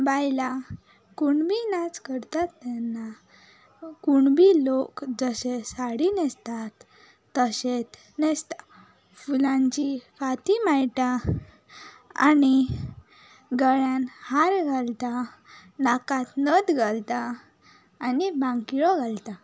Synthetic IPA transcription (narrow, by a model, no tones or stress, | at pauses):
bajla | kuɳbinat͡skəɾt̪at̪ːɛnːa | kuɳbʱilokd͡zəɕesaɽinɛst̪at̪ː | əɕet̪ | nest̪ḁ | fulãɲt͡ɕifat̪imajʈ̪a | a̰ni | ɡəɭjãnhaɾɡʱalt̪a | nakãt̪nəd̪ɡʱalt̪aː | nibãŋkiɭɔɡʱalt̪a